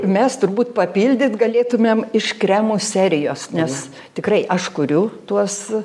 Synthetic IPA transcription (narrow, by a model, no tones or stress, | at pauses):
mʲɛst̪ʊrbuːt̪̚pɐpʲiːlʲd̪ʲɪt̪ɡɐlʲeːt̪ʊmʲemɪʃkɾʲæmuːsʲæːɾʲɪjoːsnʲɛs | t̪ʲɪkrɐɪʔɐʃkʊɾʲʊt̪uɔs